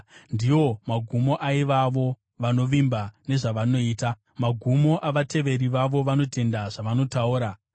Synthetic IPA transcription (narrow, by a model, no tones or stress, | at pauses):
ndijo̞maɡʱumo̞ʔaiʋaʋo̞ | ʋano̞ʋimbane̞ʐaʋano̞iːta | maɡʱumo̞ʔaʋate̞ʋe̞ɾiʋaʋo̞ʋano̞te̞ndaʐaʋano̞tauːɾa